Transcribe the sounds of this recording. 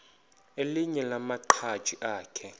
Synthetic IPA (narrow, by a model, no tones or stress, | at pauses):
eliɲɛlamaǃʰḁʒ̥ʱiʔaːkʰɛ